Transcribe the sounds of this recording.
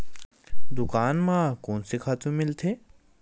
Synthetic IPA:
d̪ʊkaːnmãːkoːnsɪkʰaːt̪ʰũmɪlt̪ʰeː

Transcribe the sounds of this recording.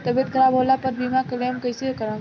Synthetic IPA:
t̪əbet̪̚kəɾabolapəɾbʱimãkəlemkəjsekəɾə

